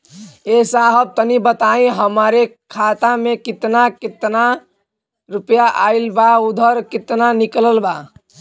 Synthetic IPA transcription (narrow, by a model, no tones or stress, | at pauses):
esaɦəb̚t̪ənibət̪aĩɦəmɾekʰat̪amekit̪nakit̪na | ɾupjaʔa̰ilbaud̪ʱəɾkit̪nanikləlba